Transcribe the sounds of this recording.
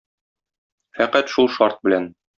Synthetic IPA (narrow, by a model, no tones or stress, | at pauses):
fæqæt̪ʃulˠʃɒɾt̪̚bɘ̆læn